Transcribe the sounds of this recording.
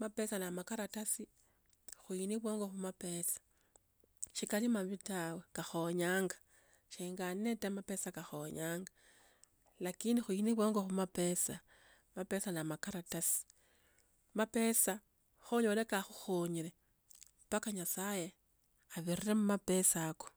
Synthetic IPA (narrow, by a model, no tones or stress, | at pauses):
mape̞sanamakaɾatasi | xuiniβwoːŋɡo̞xumape̞sḁ | ʃikalimaβitawekaxoɲaːŋɡḁ | ʃiːŋɡanetamape̞sakaxoɲaːŋɡa | lakindixuiniβwoːŋɡoxumape̞sa | mape̞sanamakaɾatasi̥ | mape̞sa | xoɲolekaxuxoɲiɾe | pakaɲasaje̞ | aβiriremumape̞sako̥